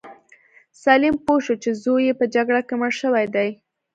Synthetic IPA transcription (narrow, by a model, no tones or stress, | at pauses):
sɑlimpoʃot͡ʃezojepəd͡ʒaɡɽakeməɽʃəwajd̪aj